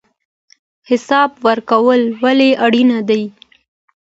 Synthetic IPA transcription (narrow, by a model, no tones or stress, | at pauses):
hɪsɑbwaɾkawəlwaleʔaɽinad̪aj